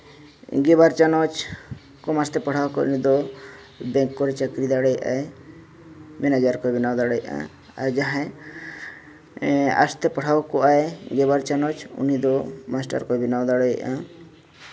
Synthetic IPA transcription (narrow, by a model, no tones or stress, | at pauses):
ɡebaɾt͡ʃanɔt͡ʃ | kɔmast̪ɛpɔɽʰawkɔ̰unid̪ɔ | bɛŋkːɔɾit͡ʃakɾid̪aɽeja̰e | mɛnad͡ʒaɾkɔbinawd̪aɽɔjʔã̰ | a̰ɾd͡ʒaɦã | a̰st̪ɛpɔɽ̤ʰawkɔaeɡebaɾt͡ʃanɔt͡ʃṵnid̪ɔmasʈa̰ɾkɔbinawd̪aɽɔjã̰